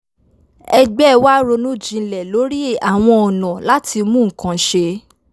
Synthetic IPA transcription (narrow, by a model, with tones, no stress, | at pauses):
ɛ˧ɡ͡bɛ˦˧wa˦ɾo˧nũ˦˨d͡ʒĩ˧˨lɛ˨lo˨˦ɾi˦e˦˨ʔa˨w̃ɔ̃˧ɔ˨nã˨la˦ti˧mũ˦ŋ̩˨kã˨ʃe˧